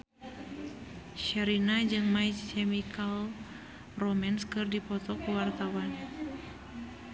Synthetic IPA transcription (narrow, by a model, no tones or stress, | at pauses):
ʃɛɾinad͡ʒɨŋmaikɛmikal | rɔmanskɨrdipɔt̪ɔkuwart̪awan